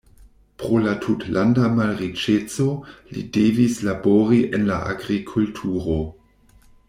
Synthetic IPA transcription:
pɾo̞latʰutlandamalʁit͡ʃet͡so̞lḭdevislaboɾiʔenlaʔa̰ɡɾikʰultʰuɾo

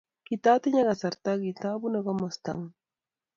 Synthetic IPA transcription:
kɪt̪at̪ɪɲaɢɑsaɾt̪aɡit̪abʊnaɢɑmast̪a̰ŋ

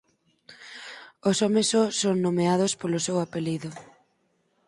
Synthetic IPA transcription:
osɔmesɔsoŋnomeaðospolosewapeliðʊ

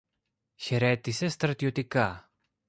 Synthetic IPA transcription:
çe̞ɾe̞t̪ise̞st̪ɾɐt̪io̞t̪ikɐ

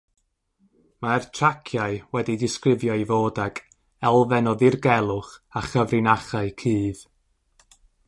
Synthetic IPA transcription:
martʰrakʰjaɨwɛdidɪskrɪvjɔivoːdakʰ | ɛlˠvɛnɔðɨrɡɛlˠʊχaχəvrɪnaχaɨkʰɨːð

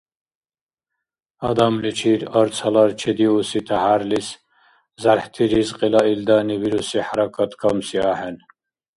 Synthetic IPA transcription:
ɐd̪ɑmlit͡ʃʰiɾɐɾt͡sʰɐlɑɾt͡ʃʰed̪iusit̪ʰahaɾlis | zaɾħt̪ʰiɾizqilɑild̪ɑːniβiɾusiħaɾɑkʰɑt̪kʰɑmsiaːħɛn

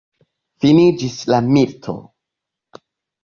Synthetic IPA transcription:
finid͡ʒislamiltʰo̰

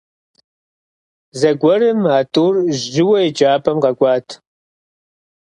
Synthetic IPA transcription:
zɐɡʷɔrɨmaːtʼuːrʒʒɪwɐid͡ʒaːpʰɐmqɐɡʷʼɑːtʰ

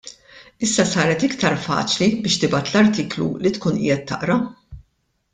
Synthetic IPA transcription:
ɪsːɐsɐːɾɛt̪ɪkt̪ɐɾfɐ̰ːt͡ʃlibɪːʃt̪ɪbɐːt̪lɐɾt̪iːklṵlit̪kuːnʔɪ̰jɛt̪ːɐ̰ʔɾɐ

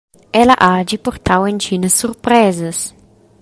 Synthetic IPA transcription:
ɛlɐʔad͡ʒipoɾt̪ʰawent͡ʃinɐsːuɾpɾɛzɐs

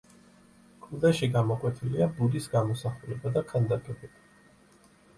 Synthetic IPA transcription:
kʼʰud̪ɛʃiɡamɔqʼwɛt̪ʰiliabuɾisɡamɔsaχulɛbad̪akʰand̪akʼɛbɛb̥a

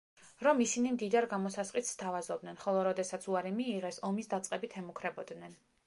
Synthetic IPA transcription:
ɾɔmisinimd̪id̪aɾɡamɔsasqʼisst̪ʰavazɔbd̪nɛnχɔlˠɔɾɔd̪ɛsat̪sʰuaɾimiːʁɛsɔmisd̪at̪sʼqʼɛbit̪ʰɛmukʰɾɛbɔd̪nɛn

